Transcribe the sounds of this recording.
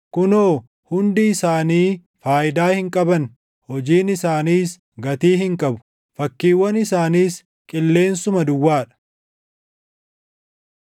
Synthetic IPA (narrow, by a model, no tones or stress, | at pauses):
kʊnoː | hʊnd̪ɪːsaːniː | faːʔɪd̪aːhɪŋkʼɐbɐn | hɔd͡ʒiːnɪsaːniːs | ɡɐt̪iːhɪŋkʼɐbʊ̥ | fɐkːiːwːɐnɪsaːniːs | kʼɪlːe̞ːnsʊmɐd̪ʊwːaːᶑɐ̥